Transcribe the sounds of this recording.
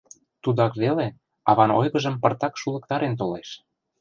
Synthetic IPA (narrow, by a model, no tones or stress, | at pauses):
t̪ud̪ɑkβele | ɑβɑno̰jɣɤ̆ʒə̆mpɤ̆rt̪ɑkʃulɤ̆k̚t̪ɑɾent̪̬oleʃ